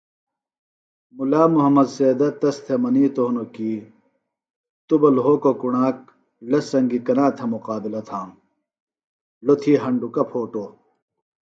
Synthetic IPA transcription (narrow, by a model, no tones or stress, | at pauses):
mulaːmuɦɐmːɐd̪seːd̪ɐt̪ɐst̪ʰemɐniːt̪oːnokiː | t̪ubɐlɦoːkokuɳaːk̚ | lɐsɐŋɡikɐnaːt̪ʰemuqaːbilɐt̪ʰãː | lot̪ʰiːɦɐɳɖukɐpʰoːʈoː